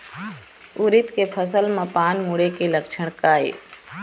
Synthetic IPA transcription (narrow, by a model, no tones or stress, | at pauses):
uɾɪt̪kepʰəs̬əlmãpaːnmuɽekeləkt͡ʃʰəɽ̃kaːḛː